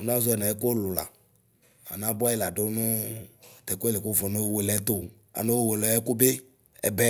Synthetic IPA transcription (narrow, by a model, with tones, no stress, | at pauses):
nã˦zo˦ɛ˨nã˨e˦ko˦lʊ˨la̰˨ | a̰˨nã˦bɔ˦ɛ˦la˨ɖo˦nʊ̃˦t̪ɛ˨ko˦e˦le˨ko˦vɔ˨no˦wwe˨lɛ˦t̪o˦ | a̰˨nõ˦wo˦˨we˨lɔ˨˦ɛ˦ku˦be˦ | ɛ̰˨bɛ˦